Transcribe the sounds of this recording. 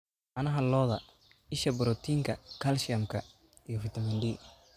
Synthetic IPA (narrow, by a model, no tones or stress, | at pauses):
ʔɐnɐɦɐlɔːðɐ | ɪʃɐbʊɾɔt̪ʰiːŋkʰɐkʰɐlʃɪɐmkʰɐ | ijɞfɪt̪ʰɐmɪnɖiː